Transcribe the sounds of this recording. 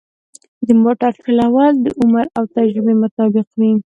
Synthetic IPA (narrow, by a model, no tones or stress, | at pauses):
d̪əmoʈaɾpɪlawɑld̪əʔʊmaɾawt̪ad͡ʒɾɪbemʊt̪ɑbɪqwi